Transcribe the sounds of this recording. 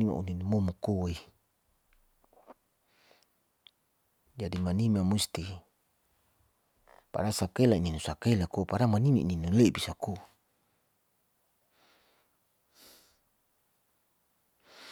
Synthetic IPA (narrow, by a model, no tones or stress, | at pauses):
ima̰ṵninumomukowai | d͡ʒadimanimamust̪i | pa̰ɾasakailaininusakailakopaɾamanimaḭninulebisako